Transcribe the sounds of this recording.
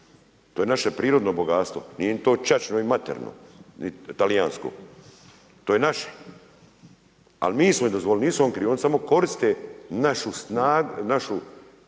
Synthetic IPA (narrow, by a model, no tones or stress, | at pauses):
t̪oːjenaʃe̞pɾiːɾod̪noboɡaːt̪st̪ʋo̞̰nijenit̪oːt͡ʃat͡ʃnoimat̪ḛɾno̰nit̪alijaːnsko̰ː | t̪oːjenaʃe̥ | a̰lmiːsmoid̪ozʋolniːsuonkɾionsamo̞ko̞ɾist̪enaʃusnaːɡnaʃu